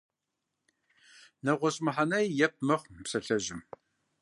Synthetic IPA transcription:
nɐʁʷɔɕʼmɨħanɐjjɛp̚mɨχʷsɐɬɐʑɪm

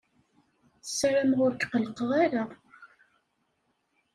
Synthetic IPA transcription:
θəsɾamʁʊɾkqəlqəʁaɾa

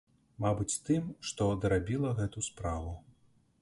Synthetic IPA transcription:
mabɨt͡sʲt̪ɨmʂt̪ɔd̪ɐɾabʲilˠɐɣɛt̪uspɾavu

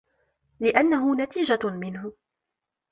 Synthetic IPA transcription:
lɪʔanːaɦʊnat̪iːd͡ʒamɪnɦʊ

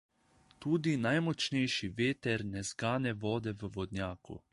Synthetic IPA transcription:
t̪uːd̪inajmɔt͡ʃnɛjʃiʋeːt̪ɛɾnɛzɡaːnɛʋɔːd̪ɛʋəʋɔd̪njaːkṵ

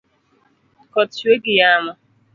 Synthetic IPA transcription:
kɔteɡɪjamʊ

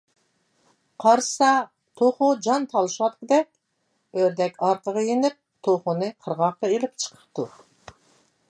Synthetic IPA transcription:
qʰɑɾsɑ | t̪ʰoχud͡ʒɑnt̪ʰɑlˠɨʃwɑt̪̚kʲɪd̪ɛk̚ʲ | øɾd̪ɛkʲɑɾq̪əʁəjinɪp̚t̪ʰoχʊnɨqʰəɾʁɑqːɑelɪp̚t͡ʃʰə̥qʰə̥p̚t̪u

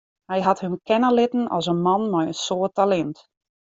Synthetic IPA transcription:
hɛjɦathømkʰɛnəlɪtən̩ɔ̰lˠsənmɑnmɛjənsoətalɛnt

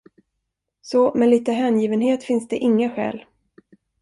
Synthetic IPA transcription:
sɔmɛliːt̪əɦɛːnjiːvənɦeːt̪fɪnsd̪ɛʔɪŋːaɧɛ̰ːl

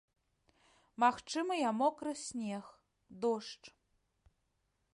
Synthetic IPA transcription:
maxt͡ʂɨmɨjamɔkɾɨsʲnʲɛx | d̪ɔʂt͡ʂ

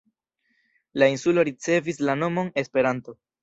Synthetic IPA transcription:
lainsulo̞ɾit͡se̞vislano̞mo̞ne̞spe̞ɾanto̞

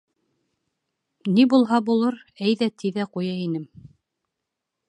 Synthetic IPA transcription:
nibulˠɦɑbulˠɤɾæjðæt̪ʰiðæqujɑinɘm

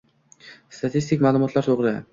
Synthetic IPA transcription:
st̪ʰat̪ʰist̪ɪkʲmaːlˠʊmɒt̪ʰlaɾt̪ʰoʁɾɪd̪ɪ

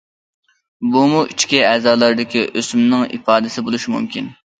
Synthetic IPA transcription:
bumuʔit͡ʃʰkʲiɛːzɑːlˠɑɾd̪ɪkʲiʔøsymnɪŋḭfɑːd̪ɪsɪbolˠuʃmumkʲin

